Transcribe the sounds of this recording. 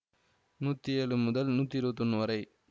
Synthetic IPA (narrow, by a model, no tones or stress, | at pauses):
nuːt̪ːieːlumʊd̪ɐlnuːt̪ːiɾoːt̪unːʋɐɾɐj